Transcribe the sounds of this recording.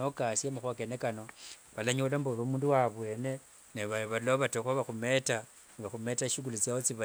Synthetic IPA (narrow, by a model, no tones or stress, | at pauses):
okasiemuxwakenekano̞βalaɲulambolomuːnduwaβwe̞ne̞ | neβaβaulaoβatoxaβaxumeta | nβaxume̞taʃikulut͡sjawot͡siβa